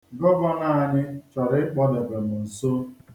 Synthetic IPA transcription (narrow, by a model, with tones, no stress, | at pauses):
ɡɔ˦ɡɔ˦na˦˨a˨ɲɪ˦t͡ʃɔ˨ɾɪ˦ɪ˦k͡pɔ˦de˨ɡe˨mʊ˨n̩˨so˦